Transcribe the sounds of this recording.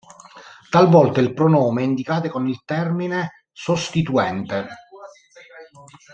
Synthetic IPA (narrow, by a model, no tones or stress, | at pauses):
t̪alvɔlt̪ailpɾonɔːmeɛind̪ikaːt̪ekonilt̪ɛrmine | sost̪it̪uɛnt̪e